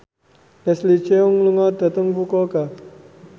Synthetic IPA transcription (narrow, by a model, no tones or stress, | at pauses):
lɛslit͡ʃeuŋluŋad̪at̪əŋbukoka